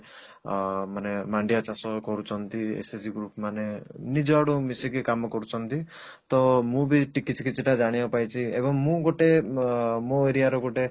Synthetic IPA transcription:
manemaɳɖiat͡ʃasɔkɔɾut͡ʃʰɔnt̪iḛsed͡ʒiɡɾupmanenid͡ʒɔaɽumisikikamɔkɔɾut͡ʃʰɔnt̪i | t̪ɔmũbiʈikit͡ʃʰi̥kit͡ʃʰiʈad͡ʒaɽ̃ibapajt͡ʃʰiebɔŋmũɡoʈe | moeɾiaɾɔɡoʈe

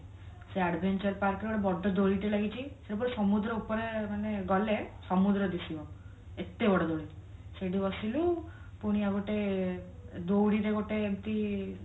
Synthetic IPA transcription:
seaɖbʱent͡ʃɔɾpaɾkɾeɡoɽebɔɖɔd̪oɽiʈelaɡit͡ʃʰiseʈɔpɔɾesɔmud̪ɾɔupɔɾemaneɡɔlesɔmud̪ɾɔd̪isibɔ | et̪ːebɔɽɔd̪oɽiseɖibɔsilu | puɽ̃iaɡoʈe | d̪owɽiɾeɡoʈeːmt̪i

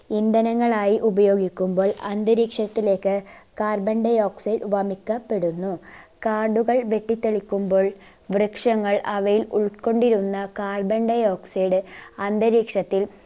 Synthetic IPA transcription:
ind̪ɐnɐŋːɐɭaːjiʔubɐjo̞ːɡikʲːumbo̞ːɭɐnd̪ɐɾiːkʂɐt̪ːile̞ːkːɨkaːrbɐɳɖɐjo̞ːksiːɖʋɐmikːɐpːe̞ɽunːukaːrɖuɣɐɭʋe̞ʈːit̪ːeɭikʲːumbo̞ːɭ | ʋrɨkʂɐŋːɐɭɐʋɐjilṵɭko̞ɳɖiɾunːɐkaːrbɐɳɖɐjo̞ːksiːɖɨɐnd̪ɐɾiːkʂɐt̪ːil

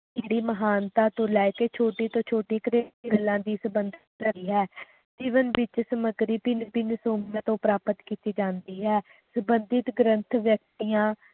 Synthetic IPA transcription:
d͡ʒeːɽiːməɦaːnt̪aːt̪õːlɛːɪkeːt͡ʃʰoːʈiːt̪õːt͡ʃʰoːʈiːkɾeːiːɡəlːãːd̪iːsəbənd̪ɪt̪kəɾiːɦɛː | d͡ʒiːʋənʋɪt͡ʃsəməɡɾiːpiːbiːnɪsoːmijãːt̪õːpɾaːpət̪kiːt̪iːd͡ʒãːnd̪iːɦɛː | səbənd̪ɪt̪ɡɾənt̪ʰʋjək̚t̪ijãː

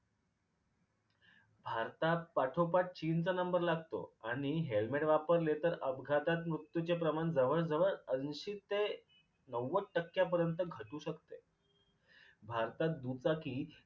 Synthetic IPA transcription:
bʱaɾt̪apaʈʰopaʈ̚t͡ɕint͡sanəmbəɾlaɡt̪o̰aɽ̃iɦelmeʈʋapəɾlet̪əɾəbɡʱat̪at̪mɾut̪jut͡ɕepɾəmand͡zəʋəɭd͡zəʋəɭənɕiːt̪ːe | nəwːəʈəkːjap̬əɾjənt̪əɡʱəʈuːɕəkt̪e | bʱaɾt̪at̪̚d̪ut͡sakiː

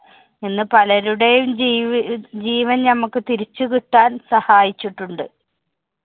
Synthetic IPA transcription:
inːɨpɐlɐɾuɽejum | d͡ʑiːʋɐnnɐmukːɨt̪iɾit͡ɕːukiʈːaːnsɐhaːjit͡ɕːiʈːuɳɖɨ

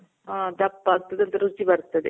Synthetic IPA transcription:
aːd̪ɐpːaːɡ̚t̪ːɐd̪eɐnt̪ɐɾut͡ʃːibɐɾt̪ːɐd̪e

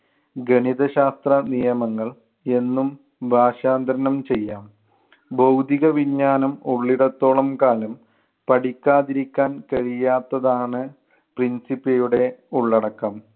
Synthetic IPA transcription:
ɡɐɳiðɐɕaːst̪rɐnijɐmɐŋːɐɭ | e̞nːum | bʱaːɕaːnd̪ɐɾɐnɐmt͡ɕe̞jːaːm | bɐwd̪ʱiɣɐʋiɲːaːnɐmuɭːiɽɐt̪ːo̞ːɭɐmkaːlɐm | pɐɽikʲːaːðiɾikʲːaːnkɐɻijaːt̪ːɐðaːɳɨ | prinsipːɐjuɽe̞uɭːɐɽɐkːɐm

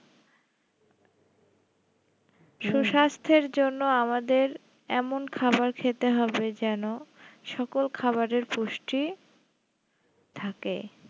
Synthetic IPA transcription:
ʃuʃast̪ʰeɾd͡ʑonːoamad̪eɾ | ɛmonkʰabaɾkʰet̪eɦɔbed͡ʑɛnoʃɔkolkʰabaɾeɾpuʃʈi | t̪ʰakḛ

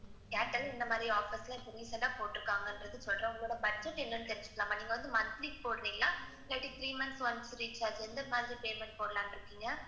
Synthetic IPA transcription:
kaːʈːɐlɛnd̪ɐmaːd̪ɾiaːfislɐpʊɾiːsɐɖaːpoːʈːɪɾɯkːaːŋɡɐɪnɖɾɐðɯsɔlɾɐ̃ʊŋɡɐɭoːɽɐpɐt͡ʃːɐ̃ʈːɛnːɐnt̪ɛɾɪɲd͡ʒɯ̥kːʈːlaːmaːniːŋɡɐʋɐnd̪ɯmɐnt̪liːk̚poːɽɾiːŋɡɐɭlãː | laːʈːit̪ʰɾiːmɐnsʋɐnsɾiːt͡ʃːaːd͡ʒɛnd̪ɐmaːðɾipeːmɛɳʈ̚poːɽɐlaːmɪɾɯkːiːŋɡɐ

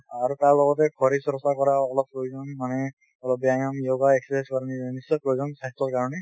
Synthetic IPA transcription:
aɹutaɹlɔɡɔtɛɡʰɔɾisɾɔsakɔɾaɔlɔp̚ːɹojuzɔnmanɛ | ɔlɔp̚bjanamjoɡaekspɛskaɾninisɔpɹɔjuzɔnsastɔɹkaɹɔnɛ

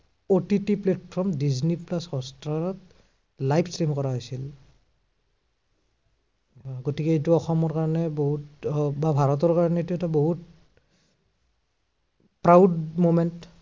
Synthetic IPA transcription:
otitiplɛtpʰɔɹmdizniplashɔstɹaɹɔt | lajpʰsɹimkɔɹaɦojsil | ɡotikɛetuɔxɔmɔɹkaɹɔnɛboɦutbabʱaɹɔtɔɹkaɹɔnɛetuɛtaboɦut̚ | pɹawdmomɛnt

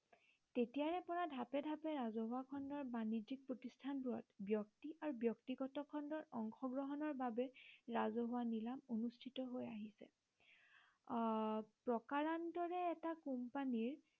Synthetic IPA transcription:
tetijaɹɛpɔɹadʱapɛdʱapɛɹazɔɦʊwakʰɔndɔɹbanid͡ʒik̚pɹotistʰanbuɹɔ̰tbjɔktiʔaɹubjɔktiɡɔtɔkʰɔndɔɹɔŋxɔɡɹɔɦɔnɔɹbabɛɹazɔɦʊwanilamonustʰitɔɦojaɦisɛ̰ | pɹɔkaɹandɔɹɛːtakumpaniɹ

